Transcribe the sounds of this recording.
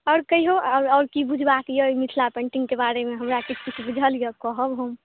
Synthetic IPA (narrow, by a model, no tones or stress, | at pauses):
ɔːɾkəiɦoʔaɾɔːɾkibud͡ʒʱbakjəimiʈʰlapẽɳʈĩŋɡkebaɾemeɦəmɾakit͡ʃʰkit͡ʃʰbud͡ʒʱəlijəkɔɦəbɦom